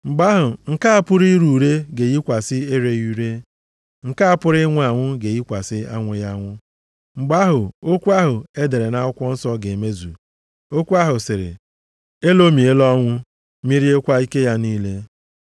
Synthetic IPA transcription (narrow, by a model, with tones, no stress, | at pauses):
ŋ͡m̩˨ɡ͡ba˦ɦʊ˨ŋ̩˨ka˦a˦pʊ˦ɾi˦ɾu˨ɾe˦ɡe˨ɣi˦kʷa˨sɪ˦e˦ɾe˦u˦ɾe˦ | ŋ̩˨ka˦a˦pʊ˦ɾɪ˦ŋʷʊ˦a˨ŋʷʊ˦ɡe˨ji˦kʷa˨sɪ˦a˦ŋʷʊ˨ja˦ŋʷʊ˦ | ŋ͡m̩˨ɡ͡ba˦ɦʊ˨o˦kʷu˦a˦ɦʊ˨e˦de˨ɾe˨na˦ʊ˦kʷɔ˦n̩˦sɔ˦ɡe˨me˦zu˨ | o˦kʷu˦a˦ɦʊ˨sɪ˨ɾɪ̰˨ | e˦lo˦mi˨e˦lɔ˦ŋʷʊ˦ | mi˦ɾi˦e˦kʷa˦i˦ke˦ja˦niː˦le˦